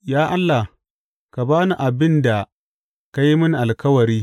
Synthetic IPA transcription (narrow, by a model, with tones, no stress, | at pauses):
jaː˦ʔa˦lːa˨ | ka˨baː˦nu˨ʔa˨bɪ˦nda˨ | ka˦ji˦mɪ˦nʔa˨lkɐ˦wɐ˨ɾiː˦